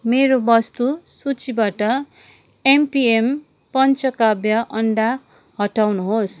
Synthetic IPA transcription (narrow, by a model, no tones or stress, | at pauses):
meɾobʌst̪usut͡sibaʈʌ | empiem | pʌnt͡sʌkabjʌʔʌnɖa | ɦʌʈawnuɦos